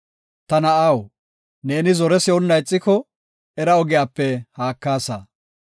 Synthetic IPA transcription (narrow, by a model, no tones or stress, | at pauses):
t̪ɐnɐɐw | ne̞ːnɪzɔɾɛsɪɔnːɐjt͡sʼːɪkɔ | ɛɾɐɔɡɪjaːpːɛhaːkːaːsɐ